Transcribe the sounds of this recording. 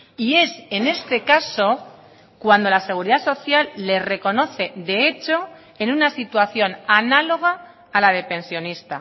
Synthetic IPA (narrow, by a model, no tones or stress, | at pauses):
ie̞se̞ne̞st̪e̞kaso̞ | kwand̪o̞lase̞ɣ̞uɾiðaso̞θjalːe̞re̞ko̞no̞θe̞ðe̞e̞t͡ʃo̞ | enunasit̪waθjo̞nanalo̞ɣ̞aː | laðe̞pẽ̞nsjo̞nist̪a̰